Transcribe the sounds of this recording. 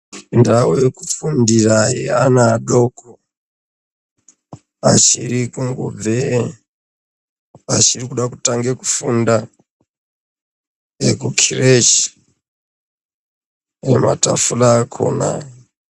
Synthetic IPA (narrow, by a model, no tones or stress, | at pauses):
indawojekufundirajḛanaːɗoko | at͡ʃiɾikuŋɡub͡ve | at͡ʃirikuɗakutaŋɡeku̥funda | ekukʰiret͡ʃ | nema̰ta̰fulaːkʰo̰ːna̰